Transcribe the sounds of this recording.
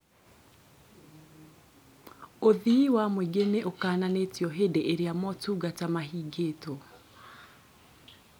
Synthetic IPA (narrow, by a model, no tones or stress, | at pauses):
oðiiwamweɡeneʔokaːnanetjɔɦedeʔeɾeamɔtuɡatamaɦiːɡeto